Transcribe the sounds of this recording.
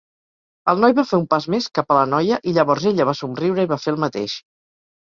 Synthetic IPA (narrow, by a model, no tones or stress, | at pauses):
əlˠnɔjβafeumpazmeskapələnɔjəʔiʎəβɔɾzeʎəβ̞asumriwɾəiβafelˠmət̪ḛʃ